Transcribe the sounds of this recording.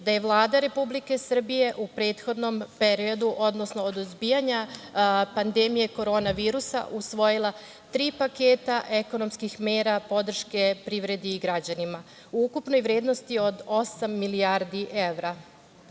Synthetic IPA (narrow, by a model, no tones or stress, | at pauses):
d̪aje̞ʋlˠaːd̪aɾe̞publike̞sr̩bije̞ʔupɾe̞ːt̪xo̞d̪no̞mpe̞ɾio̞d̪uʔo̞d̪nosno̞ːd̪uzbiːjaɲa | pand̪emije̞ko̞ɾo̞ːnaʋiːɾusa̰ʔusʋo̞jilˠa | t̪ɾiːpake̞ːt̪aʔe̞ko̞no̞mskixme̞ːɾapo̞d̪r̩ʃke̞pɾiʋɾe̞d̪iːɡɾad͡ʑanima | uukupno̞jʋɾeːd̪no̞st̪io̞d̪o̞samːiliaɾd̪iʔe̞ʋɾa